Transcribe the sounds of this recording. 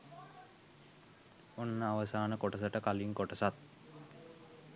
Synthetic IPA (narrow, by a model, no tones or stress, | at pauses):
onːəaʋəsaːnəkoʈəsəʈəkaliŋkoʈəsat̪̚